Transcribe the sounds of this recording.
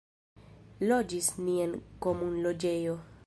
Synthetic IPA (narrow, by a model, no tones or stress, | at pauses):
lod͡ʒisnienkomunlod͡ʒejo